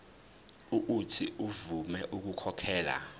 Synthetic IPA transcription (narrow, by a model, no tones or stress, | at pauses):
uʔutʰiuvumɛʔuk̬ukʰɔkʰɛːla̰